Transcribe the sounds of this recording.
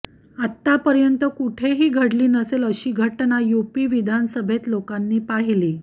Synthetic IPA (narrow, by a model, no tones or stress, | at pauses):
at̪ːapəɾjənt̪əkuʈʰeɦiːɡʱəɽliːnəseləɕiːɡʱəʈnajupiːʋid̪ʱansəbʱet̪lokanːiːpaɦiliː